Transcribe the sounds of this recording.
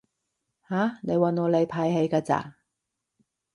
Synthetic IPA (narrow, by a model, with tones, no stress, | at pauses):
haː˨˥ne˨˧jwa˨˧nŋɔː˨˧˥le˨˧jpʰaː˧jhe˨˧jkaː˧t͡sa̰ː˧˩